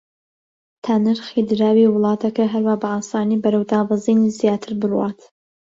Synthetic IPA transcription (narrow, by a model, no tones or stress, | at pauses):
t̪ʰaːnɨɾxid̪ɨɾaːwiːwɨlˠɑːt̪ʰɐkɐɦɐɾwaːbɐaːsaːnibɐɾɐwd̪aːbɑzinizjaːt̪ʰɨɾbɨɾwaːt̪